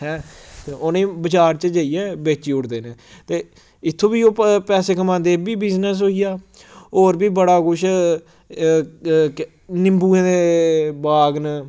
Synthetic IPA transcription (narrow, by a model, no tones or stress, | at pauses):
ɦɛ̃ːt̪eːoːnẽːbət͡ʃaːɾt͡ʃəd͡ʒəːiːɛːbeːt͡ʃiːʊɽd̪eːnẽːt̪eː | ɪt̪ʰːõːbiːoːpɛːseːkəmãːnd̪eːbiːbɪznəs̬ɦoːijaː | oːɾbiːbəɽaːkʊʃ | nɪmbuːẽːd̪eːbaːɡn